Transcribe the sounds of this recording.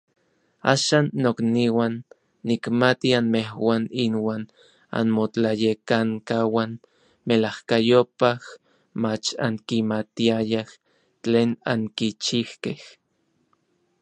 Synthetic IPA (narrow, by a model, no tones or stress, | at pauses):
a̰ːʃaːnːokniwanː | ikmat̪ianmehwaːninwaːn | a̰nmot͡ɬajekaŋkawan | melahkajopah | mat͡ʃa̰ŋkimat̪iajah | t͡ɬeːna̰ŋkit͡ʃihkeh